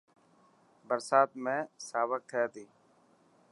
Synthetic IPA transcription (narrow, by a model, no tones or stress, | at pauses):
bəɾsaːt̪̚mẽːsaːʋək̚t̪ʰɛːt̪iː